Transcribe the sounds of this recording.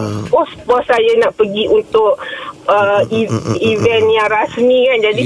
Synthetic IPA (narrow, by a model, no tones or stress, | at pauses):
pɔsəpuasajanaʔpəɡiʔunt̪ʊʔəiivɛnjaŋɾasmikand͡ʒadi